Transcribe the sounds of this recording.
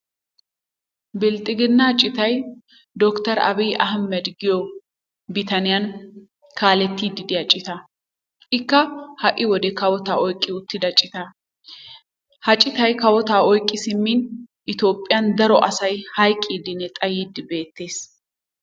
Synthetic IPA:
bɪlt̪ʼɪɡɪnːɐt͡ʃʼːɪt̪ɐj | d̪ɔkt̪ɐɾɐ̰bijʔɐɦmːɛd̪ɡɪjɔ | bɪt̪ɐnɪjɐn | kʰaːlɛt̪ːiːd̪ɪd̪ɪjɐt͡ʃʼɪt̪ɐ | ʔɪkːɐhɐʔːɪwɔd̪ɛkɐwɔt̪aːɔjkʼːɪʊt̪ːɪd̪ɐt͡ʃʼɪt̪ɐ | hɐt͡ʃʼɪt̪ɐjkɐwɔt̪aːɔjkʼːɪsɪmːinʔɪt̪o̞ːpʼːɪjɐnd̪ɐɾɔʔɐsɐjhɐjkʼːiːd̪ɪnːɛt̪ʼɐjiːd̪ːɪbe̞ːt̪ːe̞ːs

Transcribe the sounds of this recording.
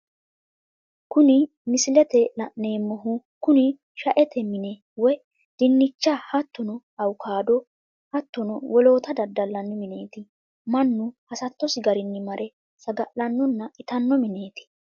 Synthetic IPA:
kʊnɪ | mɪsɪlɛt̪ɛlɐʔne̞ːmːɔɦʊkʊnɪ | ʃɐʔɛt̪ʰɛmɪnɛ | wɔj | d̪̥ɪnːɪt͡ʃːahɐt̪ːɔnɔ | ɐwʊkʰaːd̪ɔ | hɐt̪ːɔnɔwɔlo̞ːt̪ɐd̪ɐd̪ːɐlːɐnːɔmɪne̞ːt̪ɪ | mɐnːʊhɐsɐt̪ːɔsɪɡɐɾɪnːɪmɐɾʔɛ | sɐɡɐʔlɐnːɔnːɐɪt̪ɐnːɔmɪne̞ːt̪ɪ̥

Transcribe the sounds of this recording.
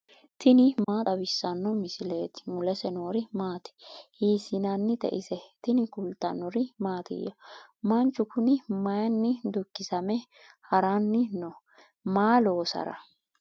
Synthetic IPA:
t̪ʰɪnɪmaːt̪ʼɐbɪsːɐnːɔmɪsɪleːt̪ɪ̥mʊlɛsɛnoːɾɪmaːt̪ɛ̥hiːsɪnɐnːɪt̪ɛ̰ʔɪsɛt̪ɪnɪkʊlt̪ːɐ̰nɔɾɪmaːt̪ɪ̰jɔmɐnt͡ʃːʊkʊnɪmɐjɐnːɪd̪ʊkːɪsɐmɛ | hɐɾɐnːɪnɔ | maːlo̞ːsɐ̰ɾɐ̰

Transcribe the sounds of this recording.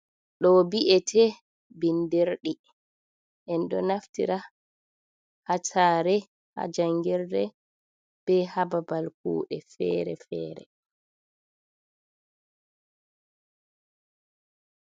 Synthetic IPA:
ɗɔbiʔɛtʰɛ | bindiɾɗi | ʔɛnɗɔnaftḭɾa | hatʰaːɾɛ | ha̰d͡ʒaŋɡɛɾdɛ | b̥ɛhababalkṵːɗɛfɛːɾɛ̰fɛ̰ːɾɛ̰

